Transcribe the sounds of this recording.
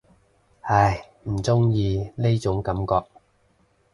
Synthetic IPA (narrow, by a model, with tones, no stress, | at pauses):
hɐ˨˧j | m̩˨˩t͡sʊ˥ŋjiː˧ne˥jt͡sʊ˨˥ŋkɐ˨˥mkɔː˧k̚